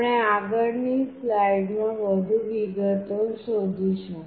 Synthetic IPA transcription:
ɽeaɡəɽnislajɖmãʋəd̪ʱũʋiɡət̪osod̪ʱiɕũ

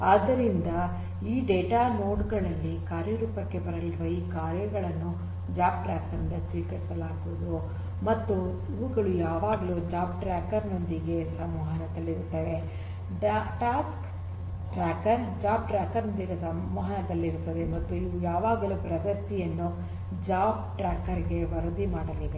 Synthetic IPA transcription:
aːd̪ːɐɾind̪ɐ | iːɖeːʈaːnoːɖɡɐɭɐlːikaːɾjɐɾuːpɐkːe̞bɐɾɐɭiɾuʋɐiːkaːɾjɐɡɐɭɐnːu | d͡ʒaːp̚ʈɾaːkɐɾɐnd̪ɐsʋiːkɐɾisɐlaːɡuʋud̪u | mɐt̪ːu | iʋuɡɐɭujaːʋaːɡɐluːd͡ʒaːp̚ʈɾaːkɐɾno̞nd̪iɡe̞sɐmɔːɦɐnɐd̪ɐlːiɾut̪ːaːd̪e | ɖaʈaːsk | ʈɾaːkɐɾd͡ʒaːpʈɾaːkɐɾnond̪iɡɐsɐɔːɦɐnɐd̪ɐlːiɾut̪ːɐd̪e̞mɐt̪ːuiʋujaːʋaːɡɐlupɾɐd̪ɐst̪ijɐnːu | d͡ʒaːpʈɾaːkːɐɾɡe̞ʋɐɾɐd̪imaːɽɐlid̪e

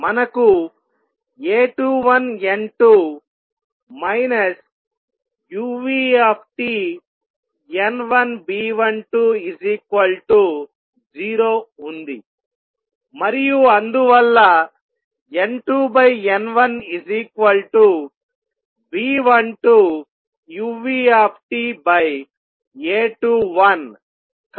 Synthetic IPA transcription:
mɐnɐku | eːʈuːʋɐneɳʈuː | mɐjnɐs | juːʋiːepʰʈiː | enʋɐnbiːʋɐɳʈuːid͡ʒikʋɐlʈu | d͡ʒiːɾoːund̪i | mɐɾijuɐnd̪uʋɐlːɐ | eɳʈuːbɐjenʋɐnid͡ʒikʋɐlʈuː | biːʋɐnʈuː | juːʋiːaːpʰʈiːbɐj | eːʈuːʋɐn

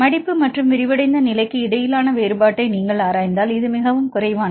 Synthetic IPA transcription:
mɐɽɪpːɯmɐʈrɯmʋɪɾɪʋɐɽɐɪnd̪ɐnɪlɐɪkːɯɪɽɐjɪlaːnɐʋeːɾɯbaːʈːɐɪniːŋɡɐɭaːɾaːjnd̪aːlɪðɯmɪɣɐʋɯmkʊrɐɪʋaːn

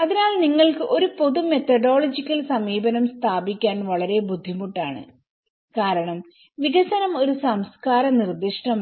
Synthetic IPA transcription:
ɐðinaːlniŋːɐɭkɨʔo̞ɾupo̞ðume̞t̪ɐɖo̞ːɭɐd͡ʑikʲːɐlsɐmiːbɐnɐmst̪ʰaːbikʲːaːnʋɐɭɐɾe̞bud̪ʱːimuʈːaːɳɨ̰ | kaːɾɐɳɐm | ʋiɣɐsɐnɐmo̞ɾusɐmskaːɾɐnird̪iʂɳɐm

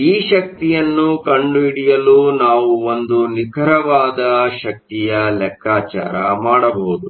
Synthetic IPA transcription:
iːʃɐk̚t̪ijɐnːukɐɳɖuiɽijɐluːnaːʋuond̪unikʰɐɾɐʋaːd̪ɐʃɐk̚t̪ijɐlɛkʰːaːt͡ʃa̰ːɾɐmaːɽɐbowud̪u

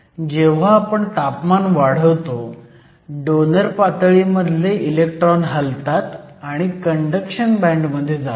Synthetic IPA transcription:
d͡ʑeʋ̤aːpəɳt̪apmanʋaɽ̤əʋt̪o | ɖonəɾpat̪ɭiməd̪ʱleilek̚ʈɾɔnɦəlt̪at̪aɽ̃ikəɳɖəkɕənbɛ̃ɳɖməd̪ʱːjed͡zat̪

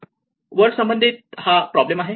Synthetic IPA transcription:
ʋəɾsəmbənd̪ʱit̪̚hapɾɔblemaɦe

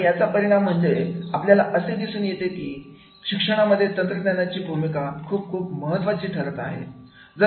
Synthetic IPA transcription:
jat͡sapəɾiɽ̃am̤ːəɳd͡zeapljalaʔəsed̪isuːnjet̪ekiː | ɕikʂəɽ̃aməd̪ʱːjet̪ənt̪ɾənanat͡ɕiːbʱumikakʰuːp̚kʰuːpməɦət̪ːʋat͡ɕiːt̪ʰəɾət̪a̰ɦḛ | d͡zə

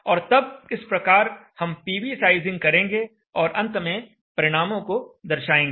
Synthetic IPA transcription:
ɔːɾt̪ɐb̚ɪspɾɐkaːɾhɐmpiːʋisaːɪzɪ̃ŋɡ̚kɐɾẽːŋɡe | ɔːɾʔɐ̃nt̪mẽ | pɐɾɪɽ̃aːmõkod̪ɐɾʃaːẽːŋɡː

